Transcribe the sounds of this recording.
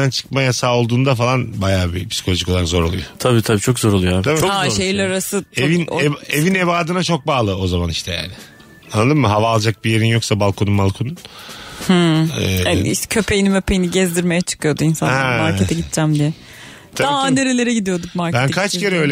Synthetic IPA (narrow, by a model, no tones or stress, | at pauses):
ant͡ʃʰɯ̥kmajasaːo̞lˠd̪uːnd̪afalˠanbajaːbipʰsi̥kʰo̞lʲoʒiko̞lˠanzo̞ɾolˠujot̪ʰabiːt̪ʰabiːt͡ʃʰo̞kzo̞ɾolˠujoat̪abihaʃejilʲæɾɾɾasɯevineevine̞baːd̪ɯnat͡ʃʰo̞k̚baːlˠɯo̞zamaniʃt̪ʰɛja̰ːnɪ | anːad̪ɯmɯɦavaːlˠd͡ʒak̚bije̞ɾinjo̞ksabalˠkʰo̞nunmalˠkʰonunhɯɛːicʰø̞pʰe̞jinimøpʰejiniɟɛzd̪iɾmejɛt͡ʃʰɯ̥kɯjod̪uinsanh̪aɛamaɾʰʲeɛɟit̪d͡ʒæmd̪ijɛ | t̪ʰaaad̪eɾelʲe̞ɾɛɟid̪ijo̞d̪ukkmaɾcbænkʰat͡ʃcʰe̞ɾɛølʲ